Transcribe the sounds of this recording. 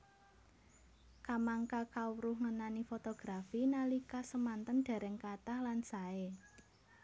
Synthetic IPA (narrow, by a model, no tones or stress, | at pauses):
kamaŋkakauɾʊhŋənanifot̪oɡ̥ɾafinalikasəmant̪ənd̪̥a̤ɾɛŋkat̪ahlansae